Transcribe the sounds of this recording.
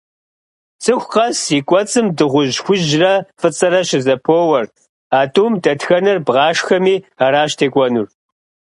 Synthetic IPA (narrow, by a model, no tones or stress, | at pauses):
t͡sʼʰɨxʷqɐsiːkʷʼɔt͡sʼɨmdɨʁʷʊʑxʷʊʒrɐfɨt͡sʼɨɾɐɕɪzɐpʰoːwɐr | aːtʼuːmdɐtxɐnɐrbʁɑːʃxɐmiːaːɾaːɕtʰeːkʷʼɔnur